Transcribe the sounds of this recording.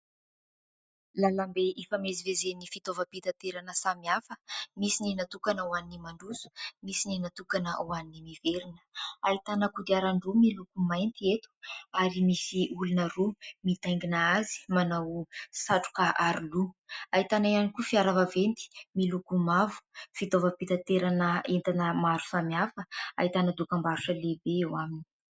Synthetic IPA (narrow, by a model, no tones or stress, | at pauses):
lalambeʔifamezivezenifit̪ovəpit̪at̪eɾanəsamiafəmisininat̪ukanəwaninimaɳɖ͡ʐuzu̥misininat̪ukanəuaninimiveɾinə̥ait̪anəkud̪iaɾaɳɖ͡ʐumilukumajnt̪iet̪u̥aɾimisiulunərumit̪ajŋɡinaazi̥manawsaʈ͡ʂu̥kaʔaɾuluait̪anaijanikufiaɾavavent̪i̥milukumavu̥fit̪ovəpit̪at̪eɾanəent̪anəmaɾu̥samiafəa̰it̪anəd̪ukambaɾuʈ͡ʂəlebeewamini̥